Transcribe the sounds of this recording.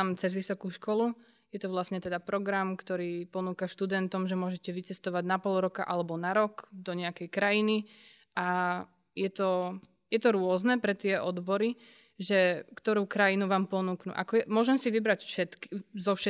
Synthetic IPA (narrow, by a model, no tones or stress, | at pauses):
amt͡sɛzʋisɔkuːʃkɔlu | jɛt̪ɔʋlasɲɛt̪ɛd̪apɾɔɡɾamkt̪ɔɾiːpɔnuːkaʃt̪ud̪ɛnt̪ɔmʒɛmʊɔʒɛcɛʋit͡sɛst̪ɔʋaɟnapɔlˠɾɔkaʔalɛbɔnaɾɔɡd̪ɔɲɛakɛjkɾajini | a | jɛt̪ɔ | jɛt̪ɔɾʊɔznɛpɾɛt̪ɪɛʔɔd̪bɔɾi | ʒɛkt̪ɔɾuːkɾajinuʋaːmpɔnuːknṵʔa̰kɔjɛmʊɔʒɛmsiʋibɾacfʃɛt̪kizɔfʃɛ